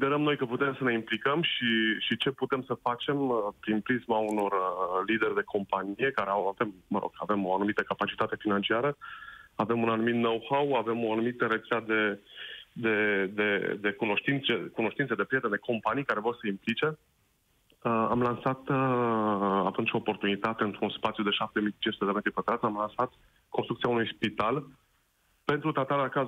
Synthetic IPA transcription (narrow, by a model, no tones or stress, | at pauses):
sid̪eɾəmno̞jkəput̪e̞msəne̞implikəmʃiʃit͡ʃe̞put̪e̞msəfat͡ʃe̞məpɾinpɾismauno̞rlid̪erʲd̪e̞kʰo̞mpanije̞kaɾeawave̞mːəɾo̞̰ɡ̥a̰ve̞mo̞anumit̪əkapat͡ʃit̪at̪e̞finant͡ʃiaɾəave̞munanumit̪nowhawave̞mo̞anumit̪əɾe̞t̪sad̪e̞ | d̪e̞d̪e̞d̪e̞kuno̞ʃt̪int̪sekuno̞ʃt̪int̪səd̪e̞pɾjet̪end̪e̞kʰo̞mpanijkaɾe̞vo̞rsəimplit͡ʃe̞ | amlansat̪ | at̪unt͡ʃʲo̞ːpo̞rt̪unit̪at̪e̞ɨnt̪ɾunspat̪sijud̪e̞ʃap̚t̪e̞mijt͡ʃint͡ʃsut̪ed̪me̞t̪ɾipət̪ɾat̪sʲamlansat̪ | konst̪ɾukt̪iaunujspit̪al | pe̞nt̪ɾut̪at̪alakaz